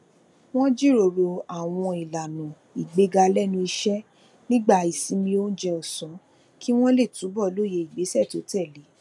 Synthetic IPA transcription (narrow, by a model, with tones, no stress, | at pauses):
w̃ɔ̃˦d͡ʒi˦˨ɾo˨ɾo˧a˨w̃ɔ̃˧i˨la˨nũ˨ | i˨ɡ͡be˨˦ɡa˧lɛ˦˨nũ˧i˧ʃɛ˦ | nĩ˦ɡ͡ba˦˧˨i˨sĩ˨˦mĩ˧o˦n̩˦d͡ʒɛ˧ɔ˨sɔ̃˨˦ | ki˦w̃ɔ̃˦le˦˨tu˨˦bɔ˦˨˦lo˦˨je˧i˨ɡ͡be˨˦sɛ˦˨to˨˦tɛ˦˨le˨˦